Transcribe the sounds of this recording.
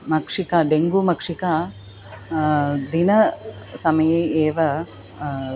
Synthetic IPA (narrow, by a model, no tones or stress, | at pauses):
mɐkʂikaːɖeŋɡumɐkʂikaː | d̪inɐ | sɐmɐjeeːʋɐ